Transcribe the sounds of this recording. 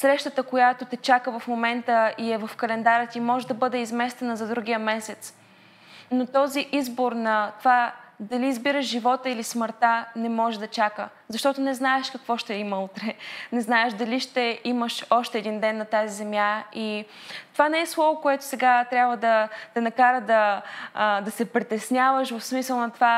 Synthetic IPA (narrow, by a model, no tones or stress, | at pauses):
sɾɛʃt̪ət̪əkojat̪ot̪ɛt͡ʃakəvɐfmomɛnt̪əiɛvɐfkɐlɛnd̪aɾət̪imɔʒɛd̪ɐbɤd̪ɛizmɛst̪ɛnəzɐd̪ɾuɡ̟ijəmɛsɛt̪s | not̪ɔziʔizboɾnɐt̪ovad̪ɐliːzbiɾəʃʒivɔt̪əilisməɾt̪anɛmɔʒɛd̪ɐt͡ʃakə̰ | zɐʃt̪ɔt̪ʊnɛznaɛʃkɐkvɔʃt̪ɛiməut̪ɾɛnɛznaɛʃd̪ɐliʃt̪ɛiməʃɔʃt̪ɛːd̪ind̪ɛnːɐt̪azizɛmjai | t̪ovanɛɛslˠɔvokoɛt̪ʊ̥sɛɡat̪ɾʲabvəd̪ɐd̪̥ɐnɐkaɾəd̪ɐ | d̪ɐsɛpɾit̪ɛsnʲjavəʃvəfsmisəlˠnɐt̪ova